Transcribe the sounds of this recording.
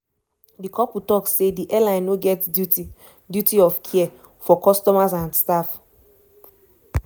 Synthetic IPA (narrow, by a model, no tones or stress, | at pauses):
dikʰɔputɔkssediʔɛlãɪ̃nːoɡɛt | djutiɔfkʰiɛ | fɔkɔstɔmazãndstaf